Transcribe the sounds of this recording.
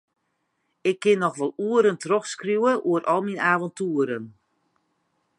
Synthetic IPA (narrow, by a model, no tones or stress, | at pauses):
ɪkʰːɪnːɔxʋɔlˠuəɾəntroxskrjuwəʔuəɾɔlˠminaːvɔntuəɾən